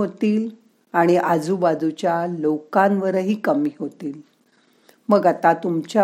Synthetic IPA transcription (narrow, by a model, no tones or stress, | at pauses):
ot̪iːl | aɽ̃iʔad͡zubad͡zut͡ɕjalokãnʋəɾəɦiːkəmiːɦot̪iːl | məɡat̪at̪umt͡ɕja